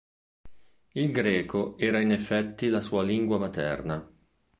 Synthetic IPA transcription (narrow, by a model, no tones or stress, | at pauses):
ilɡɾɛːkoɛːɾainefːɛt̪ːilasuːaliŋɡwamat̪ɛ̰rna